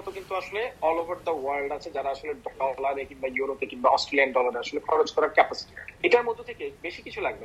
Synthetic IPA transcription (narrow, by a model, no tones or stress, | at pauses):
ɔt̪okint̪uaʃoleɔlobʱaɾd̪ɐwaɾlɖat͡ɕʰed͡ʑaɾaaʃoleɖɖɔlaɾekinbajuɾopekinbaɔsʈlɛɳɖɖɔlaɾeaʃolekʰɔɾod͡ʑkɔɾaɾkɛpasi̥ʈiaeʈaɾmod̪ʱːot̪ʰekebeʃikit͡ɕʰulaɡbe